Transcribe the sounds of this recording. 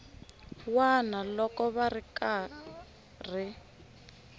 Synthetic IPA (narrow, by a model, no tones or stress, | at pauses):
wanalɔkɔβarika | r̤i